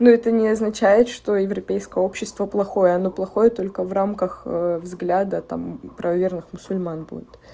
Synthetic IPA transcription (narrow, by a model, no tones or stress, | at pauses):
nuɛt̪ənʲɪɐznɐt͡ɕæjɪt̪ʂt̪o̞jɪvɾɐpʲejskəjəo̞pɕːɪst̪vəplˠɐxo̞jəɐno̞plˠɐxo̞jət̪o̞lʲkəvramkəxəvzɡlʲad̪ət̪a̰mpɾəvɐvʲernɨxmʊsʊlʲmanbṵdʲɪt̪